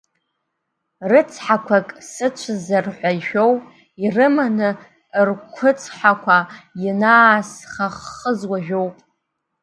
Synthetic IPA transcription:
rɨt͡sʰħakʷʰakʼsɨt͡ʃʷʰazarħʷajʃᶣowpʼ | irɨmanɨ | rkʷʰʊt͡sʰʼħakʷʰajɪnaːsχaχːəzwaʒᶣowpʼ

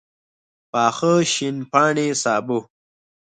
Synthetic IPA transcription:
paːxəɕinpaːɳisaːbu

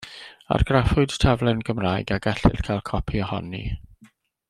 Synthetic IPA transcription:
a̰rɡ̥rafʊɨd̥tʰavlˠɛnɡəmraːjɡaɡɛɬɪ̰d̥kʰalˠkʰɔpʰiɔhɔ̰nːḭ

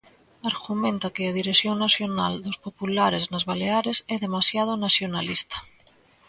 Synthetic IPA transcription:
aɾɣumẽnt̪akeað̞iɾeθjoŋnasjona̰ld̪ospopulaɾeznazβaleaɾesɛðemasjað̞onasjonalist̪ḁ

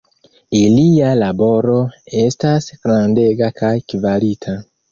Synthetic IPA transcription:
ilialabo̞ɾo̞e̞stasɡ̥ɾande̞ɡakʰajkivaɾitʰa

